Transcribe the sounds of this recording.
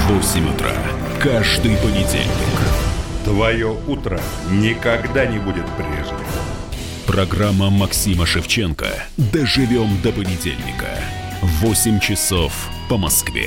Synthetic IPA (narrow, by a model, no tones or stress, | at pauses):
vosʲɪmʲʊt̪ɾa̰ | kaʐd̪ɨjpənʲɪdʲḛlʲnʲɪ̰kt̪vɐjout̪ɾə | nʲɪkɐɡd̪anʲɪbudʲɪt̪pɾʲeʐʲɪ | pɾɐɡramːəmɐksʲiməʂɨft͡ɕenkə̰ | d̪əʐɨvʲo̞md̪əpənʲɪdʲḛlʲnʲɪ̰kə̰ | vosʲɪmʲt͡ɕɪso̞f | pəmɐskvʲḛ